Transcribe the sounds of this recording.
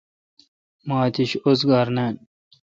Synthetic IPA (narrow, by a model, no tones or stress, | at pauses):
maːt̪iɕosɡaːɾneːn